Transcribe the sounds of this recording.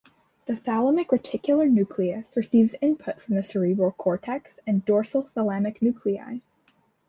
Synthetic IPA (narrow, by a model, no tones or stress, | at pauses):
ðɨθælˠəmɨkɹɨtʰɪkʰjl̩ˠə˞nʉkʰliɨsɹɨsivzɪ̃npʰʊtfɹʌ̃mðɨsə˞ibˠkʰɔɹtʰɛksɨ̃ndɔɹsl̩ˠθəlˠæmɨknʉkʰlia̰ɪ